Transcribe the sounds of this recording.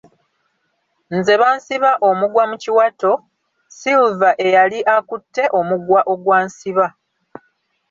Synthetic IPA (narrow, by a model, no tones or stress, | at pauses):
nze̞βaːnsiβaʔo̞muɡwamuciwato̞ | siuvaʔe̞jaliʔakutːe̞ʔo̞muɡwaʔo̞ɡwaːnsiβa